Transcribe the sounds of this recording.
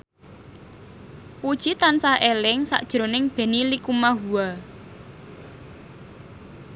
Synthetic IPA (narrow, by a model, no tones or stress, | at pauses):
pud̥ʒ̥it̪ansaʔelɪŋsa̰ʔd̥ʒ̥ɾo̤nɪŋb̥e̤nilikumaɦua